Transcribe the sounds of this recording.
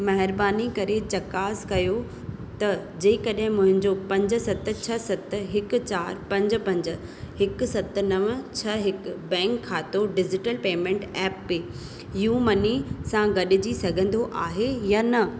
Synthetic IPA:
mɐɦɪɾbaːnikɐɾet͡ɕɐkaːskɐjo | t̪ɐd͡ʑeːkɐɗɦɪ̃mʊ̃ɦɪ̃ɲd͡ʑopɐ̃ɲd͡ʑʊ̆sɐt̪̆t͡ɕʰɐsɐt̪̆ɦɪkʊ̆t͡ɕaːɾpɐ̃ɲd͡ʑ̆pɐ̃ɲd͡ʑ̆ | hɪk̆sɐt̪̆nɐʋt͡ɕʰɐɦɪkbɛ̃ːŋkʰːaːt̪oɖɪd͡ʑɪʈəlpeːmẽːɳʈɛːpːeː | juːmɐnisãɡɐɗɪd͡ʑisɐɡʱə̃nd̪oʔaːɦejanɐ

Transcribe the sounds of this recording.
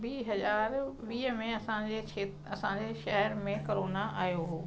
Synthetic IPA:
biːɦɐzaːɾʋiːɦmẽɐsãeeːt | ɐsãɲd͡ʑeʃɛɦəɾmẽkɐɾoːnaʔaːjoɦoː

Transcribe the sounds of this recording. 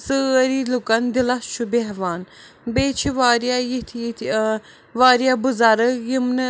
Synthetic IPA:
sɨɐɾilukɐnd̪ilɐst͡ʃʰubeɦʋaːn | beːt͡ʃʰiʋaːɾijajit̪ʰ | ʋaːɾjabuzaɾəkjimnɨ

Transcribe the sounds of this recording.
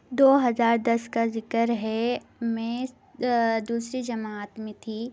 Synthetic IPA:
d̪oːɦɐzaːɾd̪ɐskazɪkəɾɦɛ | mɛ̃ | d̪uːsɾid͡ʒɐmaːt̪mẽt̪ʰiː

